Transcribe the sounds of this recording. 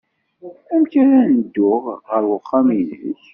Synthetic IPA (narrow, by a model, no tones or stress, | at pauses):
æmkæɾænəd̪ːʊʁʁəɾwəqːɑmilːə̰ç